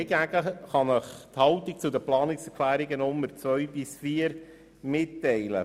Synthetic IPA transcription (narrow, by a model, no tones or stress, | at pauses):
ɛɡæɡ̥əχɑnəχt̪hɑlt̪ik̚t͡sʊd̪əplɑːnɪksɛkʰlæːɾiɡənʊmːəɾt͡sʋœɥbɪsfiːəɾ | mɪtːɛɪlə̰